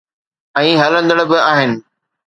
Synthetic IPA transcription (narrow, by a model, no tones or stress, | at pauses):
ɛ̃ːɦɐlə̃nd̪əɽbɪaːɦɪnɪ̆